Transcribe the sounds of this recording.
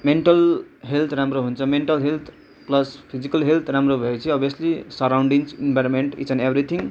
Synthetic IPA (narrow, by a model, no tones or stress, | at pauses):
meɳʈʌlɦelt̪ʰramroɦunt͡sʰʌmeɳʈʌlɦelt̪ʰ | plʌspʰid͡zikʌlɦelt̪ʰramrobʱʌjet͡sʰĩʌbjʌslisʌɾawɳɖiŋsenbʱajɾomeɳʈḭt͡sʌnebɾit̪ʰiŋ